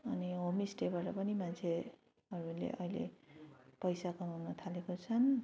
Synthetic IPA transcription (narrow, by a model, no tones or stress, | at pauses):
ʌniɦomisʈebaʈʌpʌnimant͡sʰe | ʌɾulḛʔʌ̰jlḛpʌjsakʌnuɦunʌt̪ʰalekot͡sʰʌn